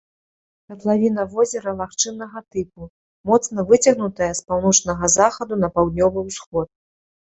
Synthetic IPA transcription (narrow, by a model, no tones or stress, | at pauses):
kɐt̪lˠavʲin̪ɐvɔzʲɛɾɐlˠaxt͡ʂɨnɐɣɐt̪ɨpu | mɔt̪snɐvɨt͡sʲɐɣnut̪ɐjɐspawn̪ɔt͡ʂnɐɣɐzaxɐd̪unɐpawd̪̚nʲɔvɨwsxɔt̪̚